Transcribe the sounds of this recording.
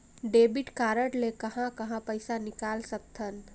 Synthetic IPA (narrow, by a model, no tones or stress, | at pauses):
ɖeːbiʈkaːɾəʈlekəɦãkəɦãpəɪsanɪkaːlsək̚t̪ʰən